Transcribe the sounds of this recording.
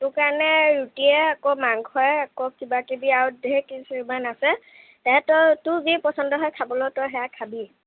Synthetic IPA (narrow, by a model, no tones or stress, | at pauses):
tʊkaɹnɛɹutiɛakɔmaŋɡhɔjakɔkibakibiaɹudeɛkisiɹimanasɛ | tɛɦɛtɔɹtʊzipɔsɔndɔɦɔjkʰabɔlɔtɔjɦɛjakʰabi